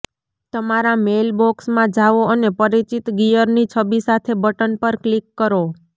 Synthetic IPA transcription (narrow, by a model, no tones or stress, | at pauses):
t̪əmaɾamelboksmãd͡ʒaʋoənepəɾit͡ʃit̪ɡijəɾnit͡ʃʰəbisat̪ʰebəʈənpəɾklikːəɾo